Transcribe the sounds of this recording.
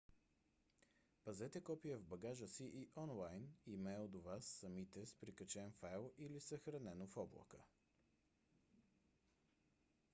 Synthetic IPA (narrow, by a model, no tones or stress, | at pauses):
pɐzɛt̪ɛkɔpiəvbɐɡaʒəsiʔiʔɔnlˠajnimɛld̪ovasːɐmit̪ɛspɾikɐt͡ʃɛnfajlˠilisəxɾɐnɛnofɔblˠə̰kə